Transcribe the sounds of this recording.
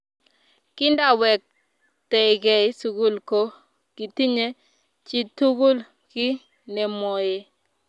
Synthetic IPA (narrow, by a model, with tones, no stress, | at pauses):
kɪ˦nda˦˨wɛ˨k̚ | tɛ˨ɪ˨ɡɛ˨ɪ˦su˨ɡu˦lko˦ | ki˨ti˦ɲe˦ | t͡ʃi˦tu˦ɡu˦l | ki˦ | nɛ˨mɔ˨je˦